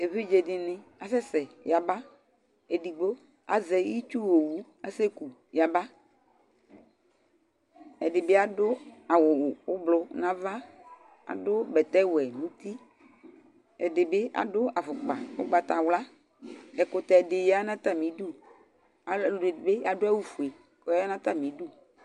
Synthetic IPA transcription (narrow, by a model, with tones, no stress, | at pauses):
e˨ve˦d͡ʒe˨ɖɪ˨nẽ˨a˨sɛ˦sɛ˨ja˨ba˦ | e˨ɖi˨ɡ͡bo˦ | a̰˨zɛ˨ji˦t͡ʃu˦wo˨wu˦ | a˦se˦ku˨ | ja˨ba˦ | e˨ɖɪ˨be˦a˨dʊ˦a˨wʊ˨wʊ˨wʊ˦blʊ˦nã˦va˦ | a̰˨dʊ˦bɛ˨t̪ɛ˦wɛ˨nũ˦t̪i˦ | ɛ˨dɪ˨be˦ʔa̰˨dʊ˦a˨fʊ˨k͡pa̰˨wo̰˦ɡ͡ba˨t̪a˨wla˦ | ɛ˨kʊ˨t̪ɛ˨ɖɪ˨ja˦nã˦t̪a˦mĩ˨du˦˨ | a˨be˦ja˨dʊ˦a˦wu˦fu˨e˨ | kɔ˦a˦nã˦t̪a˦mĩ˨˦du˦